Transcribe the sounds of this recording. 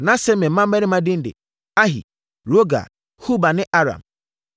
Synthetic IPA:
nã˦sɛ˦mɛ̃˨˦ã˦m˦ɛ̃˦nɪ̃˦mã˦dɪ˦n̩˦dɪ̰˨ | a˦ɦḭ˨ | ɾo˦ɡa̰˨ | hu˦ba˨nɪ̃˦ʔa˦ɾã̰˨m

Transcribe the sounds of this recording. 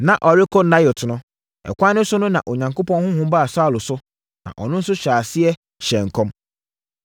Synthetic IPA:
nã˨ʔɔ˨ɾɪ˦kʰo˦nã˦jo˨tʰʊ˨nʊ̃˦ | ɛ̰˨kʷã˦nːɪ̃˦sʊ˦nʊ̃˦nã̰˨ʔo˨ɲã˨ŋkʰo˦pɔ̃˦nhʊ̃˦hʊ̃˦m˦ba˦a˨sa˦˨lʊ˨sʊ˦ | nã̰˨ʔɔ˨nʊ̃˦n̩˦sʊ˦ɕᶣɾaː˨sɪ˦ɛ˦ | ɕɛ̃˨ŋ̩˨kʰɔ̃˦m

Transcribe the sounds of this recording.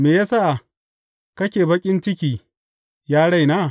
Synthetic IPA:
meː˨jaː˦sa˦ʔ | kɐ˦kʲeː˨bɐ˦kʲʼɪ˦nt͡ʃɪ˦kʲiː˨ | jaː˦ɽa˦jnaː˦˨

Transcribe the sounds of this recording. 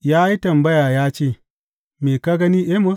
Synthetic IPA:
jaː˦ji˦tɐ˨mbɐ˦jaː˨jaː˦t͡ʃeː˦˨ | meː˨ka˦ɡɐ˦ni˦ʔe˦mo˦

